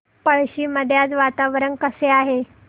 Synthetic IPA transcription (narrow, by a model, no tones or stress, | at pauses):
pəɭɕiːməd̪ʱjat͡sʋat̪aʋɾənkəseaɦe